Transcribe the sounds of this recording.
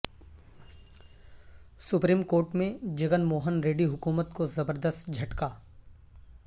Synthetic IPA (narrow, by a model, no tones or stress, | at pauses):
sʊpɾiːmkoːɾʈmẽd͡ʒɐɡənmoːɦənɾeːɖiɦʊkuːmət̪kozɐbəɾd̪əst̪d͡ʒʱɐʈkaː